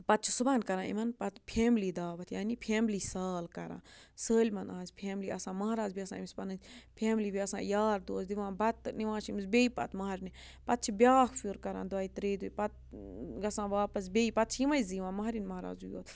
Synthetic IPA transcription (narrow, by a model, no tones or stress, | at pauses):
pɐt̪̚t͡ʃʰusubaːnkɐɾãːḭmɐnpɐt̪pʰeːmliːd̪aːʋɐt̪ʰjaːnipʰeːmliːsaːlkɐɾã̰ːsəːlʲmɐnãːnzʲpʰeːmliːɐsãːmɐaːɾaːzbiɐsã̰ːimspɐnɐnzpʰeːmliːbiɐsã̰ːjaːɾd̪oːsd̪iʋãːbɐt̪niʋãːʃimsbeːipɐ̰t̪mɐɦɾni | pɐt̪̚t͡ʃʰibʲjaːkʰfuːɾkɐɾã̰ːnd̪ʋaːit̪ɾeːd̪uipɐt̪̚ɡɐsãːʋaːpɐs̬bʲeːipɐt̪̚t͡ʃʰimɐjziʋãːmɐɦɾinmɐɦːɾa̰ːzujo̰ːt̪